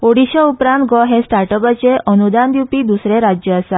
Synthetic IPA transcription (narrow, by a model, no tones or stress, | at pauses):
oɽiɕɔupɾãnt̪ɡɔɦesʈaɾʈəpət͡ɕeʔənud̪and̪ipid̪usɾeɾad͡ʑjəːsa